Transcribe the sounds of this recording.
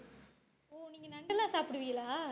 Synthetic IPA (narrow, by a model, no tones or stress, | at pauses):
oːniːŋɡɐnɐɳɖɐlãːsaːpɽɯʋɪjɐlaː